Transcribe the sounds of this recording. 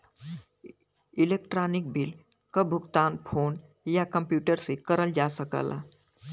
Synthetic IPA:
ilek̚ʈɾanik̚bʱil | kəbʱuɡt̪anpʰon | jakəmpjuʈəɾsekəɾəld͡ʒasəkə̰la̰

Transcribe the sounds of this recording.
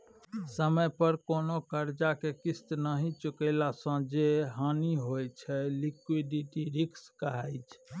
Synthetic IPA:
səməjpəɾkonokəɾd͡ʒakekist̪nəɦĩt͡ʃukəlasə̃d͡ʒeɦaniɦojt͡ʃʰɛlikwiɖiʈiɾikskəɦajt͡ʃʰ

